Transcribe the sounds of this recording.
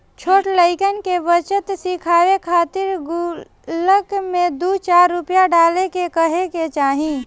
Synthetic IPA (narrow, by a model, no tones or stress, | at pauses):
t͡ʃʰoːʈləɪkənkeʋət͡ʃət̪sɪkʰaːwekʰaːt̪ɪɾɡʊ | ləkmẽd̪uːt͡ʃaːɾːʊpjaɖaːlekekəɦeket͡ʃaːɦĩː